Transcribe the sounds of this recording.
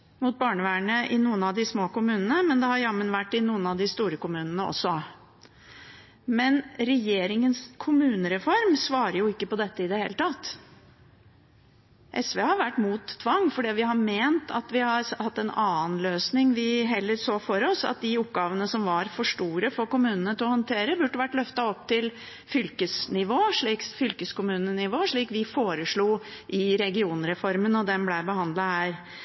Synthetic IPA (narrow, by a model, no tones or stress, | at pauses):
mʊt̪̚bɑːɳəʋæːɳəʔɪnuːənɑʋd̪ɪsmoːkʊmʉːnənəmɛnd̪ɛhɑɾjɑmːənʋæʈːɪnuːənɑd̪ɪst̪uːɾəkʊmʉːnənəʔɔ̰sːɔ | mɛnɾɛjeːɾɪŋənskʰʊmʉːnəɾɛfɔɾmsʋɑːɾəɾjʊɪkːəpɔd̪ɛt̪ːəɪd̪ɛhḛːlət̪ʰɑt̪ː | ʔɛsʋeːhɑɾʋæʈːmuːt̪t̪ʰːʋɑŋːfɔɖiːʋɪɦɑɾmeːnt̪ʰɑt̪ʋɪhɑɾhɑt̪ːɛnɑːnløːsnɪŋʋɪɦɛlːəɾsoːfɔɾɔsɑ̰t̪̚d̪ɪʊp̚ːɡɑːʋənəsɔmʋɑɾfɔʂʈuːɾəfɔɾkʊmʉːnənət̪ʰɪɔhɔnt̪ʰeːɾəbʉʈːəʋæʈːlœft̪ɑɔp̚ːt̪ʰɪl | fʏlkəsnɪʋoːʂɭiːksfʏlkəskʊmʉːnənɪʋoːʂɭiːkʋɪfoːɾəʂɭuːʔɪɾɛɡɪuːnɾɛfɔɾmənɔd̪ɛmblæɪbəhɑnd̪lɑhæːɾ